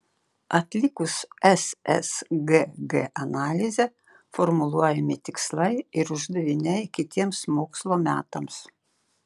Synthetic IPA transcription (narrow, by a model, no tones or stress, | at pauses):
ɐt̪ʲlʲɪkʊsɛsɛsɡeɡḛʔɐnɑːlʲɪzʲɛ | fɔɾmʊlˠuɔjɛmʲɪt̪ʲɪkslˠɐɪɪɾʊʒd̪ɐʋʲɪnʲɛɪkʲɪt̪ʲiɛmsmoːkslˠoːmʲæ̰ːt̪ɐms